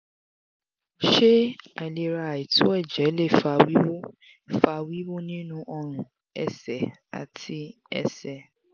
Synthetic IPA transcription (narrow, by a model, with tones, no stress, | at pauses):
ʃe˦a˨le˨ɾa˧˨i˨tʊ˦ɛ˦˨d͡ʒɛ˨˦le˦˨fa˧wi˦wo˦˨ | fa˧wi˦wo˦nĩ˦nũ˦ʔɔ˧ɾ̃ũ˨ | ɛ̰˨sɛ˨ | a̰˨tʰi˦ | ɛ̰˨sɛ˨